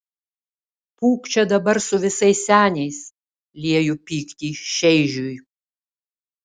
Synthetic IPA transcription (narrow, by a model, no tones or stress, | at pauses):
puːkt͡ʃʲɛd̪ɐbɐɾsʊʋʲɪsɐɪsʲsʲæːnʲɛɪs | lʲiɛjʊpʲiːkt̪ʲiːʃʲɛɪʒʲuj